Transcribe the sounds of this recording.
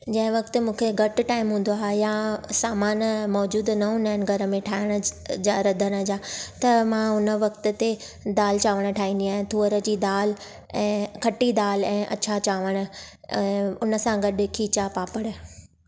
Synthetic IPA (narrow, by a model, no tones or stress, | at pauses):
d͡ʑɐ̃ɦɪ̃ʋɐkt̪mũːkʰeɡʱɐʈʈaːɪmɦũːn̆d̪oaːɦejasaːmaːnmɔːd͡ʑuːd̪nɐɦʊnaɪnɡʱɐɾəmẽʈʰaːɦɪɽ̃əd͡ʑaːɾɐd̪ʱəɽ̃əd͡ʑaːt̪ɐmãʊnəʋɐkt̪ə̆t̪e | d̪aːlt͡ɕaːʋəɽ̃əʈʰaːĩnd̪iaːɦɪ̃t̪ʰuːəɾə̆d͡ʑiːd̪aːl | ɛ̃ːkʰɐʈid̪aːlɛ̃ːʔɐ̰t͡ɕʰat͡ɕaːʋəɽ̃ə̆ | ɛ̃ːʊnə̆sãɡɐɗkʰiːt͡ɕapaːpəɽ̃ə̆